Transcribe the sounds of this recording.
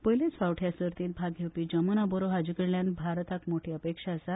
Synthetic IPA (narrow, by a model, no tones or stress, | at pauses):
pəjlet͡sʋawʈʰjasəɾt̪iːt̪̚bʱaɡʱewpiːd͡ʑəmənaboɾoɦad͡ʑukəɽljãnbʱaɾt̪akmoʈʰiːəpekʂaəsa